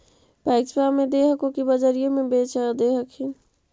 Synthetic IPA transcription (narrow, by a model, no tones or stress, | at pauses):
pɛɪkspamẽd̪eːɦəkõkibəd͡ʒəɾijõmẽbeːt͡ʃad̪eːɦəkʰi